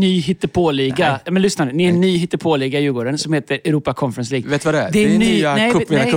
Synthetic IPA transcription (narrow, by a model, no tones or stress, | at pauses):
nyːɦɪt̪ːəpʰoːliːɡajɑːmɛnlʏsnad̪ənɪɛnːyːhɪt̪ːəpʰoːliːɡaɪjʉːɡoːɖənsɔmheːt̪əɾɛɾuːpakʰɔnfɛɾɛnsliːɡveːt̪vad̪ɛd̪ɛɛnːnɛkː